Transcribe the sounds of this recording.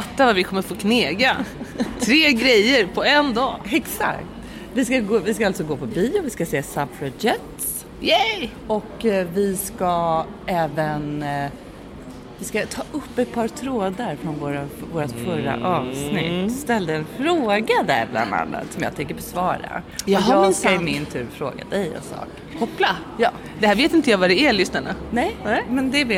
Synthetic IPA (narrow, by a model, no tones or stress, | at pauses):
fat̪ːavaɾvɪkʰɔmːəɾfoːkʰneːɡat̪ʰɾeːɡɾɛjəɾpʰɔɛnd̪ɑːɛksa̰kt̪ | vɪskaɡoːvɪskaalt̪sɔɡoːpʰɔbiːʊvɪskaseːsabfʰɾɔd͡ʒɛt̪s | jɛ | ɔkːvɪska | ɛːvən | vɪskat̪ʰɑːʔɵpːɛt̪̚pʰɑːɾt̪ʰɾoːd̪aɾfɾɔnvoːɾavoːɾat̪fœɾa̰ʔɑːvsnɪ̰tt̪ːst̪ɛld̪əɛnfɾoːɡad̪æ̰ɾbla̰nːa̰nːa̰t̪sɔmjɑ̰t̪ʰɛŋkːəɾbɔsvɑːɾa̰jɑːɦaɪɪmɪnt̪ʰʉ̟ːɾfɾo̰ːɡa̰d̪ɛjɛ̰nsɑ̰ːk | kʰɔpːla | jɑː | d̪ɛhæːɾveːt̪ɪnt̪əjɑvaɖɛæɭʏsnaɳanɛjmɛnd̪ɛv